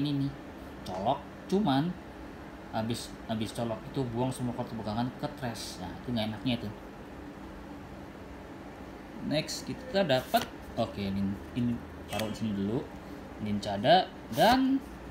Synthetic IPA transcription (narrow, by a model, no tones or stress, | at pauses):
nini | t͡ʃɔlɔk̚t͡ʃuman | abɪs | abɪst͡ʃɔlɔkit̪ubuaŋsəmuakɔrt̪əbəɡaŋankət̪ɾɛsɲa̰it̪uŋɡaenak̚ɲait̪u | nɛkskit̪t̪adapət̪̚ | okenin | ini | paɾownisinidulu | nint͡ʃada | dan